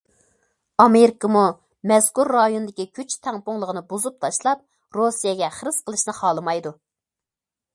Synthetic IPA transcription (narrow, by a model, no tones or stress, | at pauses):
ɑmeɾɪkəmu | mɛz̥kuɾːɑjonɨd̪ɪkʲikʲʰyt͡ʃt̪ʰɛŋpʊŋlˠəʁənɨbuzup̚t̪ʰɑʃlˠɑp̚ | ɾosijɛɡʲɛχəɾɨz̥qəlˠɨʃnɨχɑːlˠɨmɑjd̪u